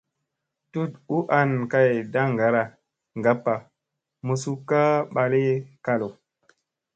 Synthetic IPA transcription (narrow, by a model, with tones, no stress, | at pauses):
tu˦tu˦ʔa˦˨nka˨jda˦ŋɡa˨ɾa˨ | ŋɡa˦pːa˨ | mu˨su˦kːa˦ɓa˨li˦ka˦lo˨